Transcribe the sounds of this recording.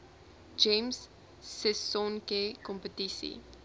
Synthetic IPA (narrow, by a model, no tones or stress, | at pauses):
d͡ʒẽmsː | ɛsɔnkekɔ̃mpətisḭ